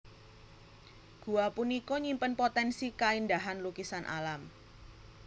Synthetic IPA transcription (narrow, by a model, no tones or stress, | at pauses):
ɡ̥uapunikɔɲimpənpot̪ɛnsikaindaɦanlukisanʔa̰lam